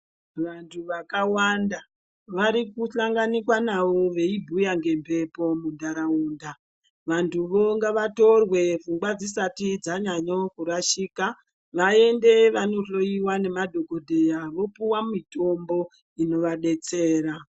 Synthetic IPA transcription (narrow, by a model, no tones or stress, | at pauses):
ʋantʰuʋakawanda | ʋaɾikuɬaŋɡanikwanaʋo̞ʋe̞ibʱujaŋɡe̞mpʰe̞po̞mundaɾauːnda | ʋantʰuʋo̞ŋɡaʋato̞rwe̞vuŋɡwad͡zisatid͡zaɲaɲo̞kuɾaʃiːka | ʋaende̞ʋano̞ɬo̞iwane̞madʱo̞ko̞dʱejaʋo̞puwamito̞mbo̞ | ino̞ʋaɗe̞t͡seːɾa